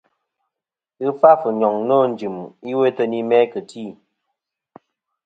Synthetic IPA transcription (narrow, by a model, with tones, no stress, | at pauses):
ɨ˦fa˦fɨ˨ɲɔ˨ŋno˦˨n̩˨d͡ʒi˨mi˦we˦tə˦ni˦mɛ˦kɨ˨tʰi˦˨